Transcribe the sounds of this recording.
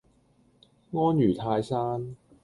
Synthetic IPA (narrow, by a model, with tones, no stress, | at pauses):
ŋɔː˥njyː˨˩t̪ʰaː˧jsaː˥n